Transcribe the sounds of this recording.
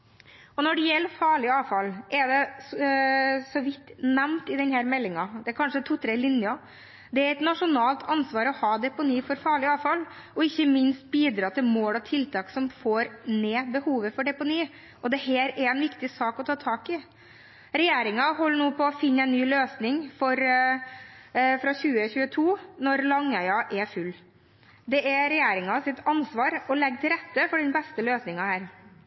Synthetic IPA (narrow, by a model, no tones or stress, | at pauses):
ɔnɔɖɛjɛlːəfɑːɭɪɑːʋfɑlːʔɛd̪ɛ | sɔʋɪt̪ːnæmnt̪ɪd̪ɛnhæːɾmɛlːɪŋɑd̪ɛækʰɑnʂət̪ʰʊt̪ɾɛlɪnjɑ | d̪ɛæɾɛt̪nɑʂʊnɑːlt̪ʰɑnsʋɑːɾɔhɑːd̪ɛpʊniːfɔɾfɑːɭɪɑːʋfɑl | ɔɪçːəmɪnst̪̚biːd̪ɾɑːt̪ʰɪlmoːlɔt̪ʰɪlt̪ʰɑːksɔmfoːɾneːbəhuːʋəfɔɖɛpʊniː | ʔɔd̪ɛɦeːɾɛɾɛnʋɪkt̪ɪsɑːkɔt̪ʰɑːt̪ʰɑːkɪ | ɾɛjeːɾɪŋɑɦɔlːəɳuːpʰɔːfɪnːəæɛɪnnyːløːsnɪŋfɔɾ | fɾɑçʉːəçʉːət̪ʰuːnɔɾlɑŋæɪɑʔɛfʉlː | d̪ɛʔɛɾɛjeːɾɪŋɑsɪt̪ʰɑnsʋɑːɾɔlɛɡ̚ːt̪ʰɪlɾɛt̪ːəfɔɖɛnbɛst̪əløːsnɪŋɑhæːɾ